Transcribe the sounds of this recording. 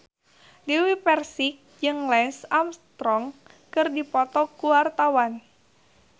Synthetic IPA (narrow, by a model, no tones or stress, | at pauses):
diwipɛrsik̚d͡ʒɨŋlɛnsamst̪ɾɔŋ | kɨrdipɔt̪ɔkuwart̪awan